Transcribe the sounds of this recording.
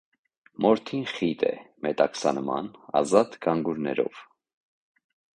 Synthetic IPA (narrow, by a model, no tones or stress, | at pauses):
mɔɾt̪ʰinχit̪ʰɛ̰mɛt̪ɑksɑnmɑ̰nɑ̰zɑt̪ɡɑŋɡuɾnɛɾɔ̰v̥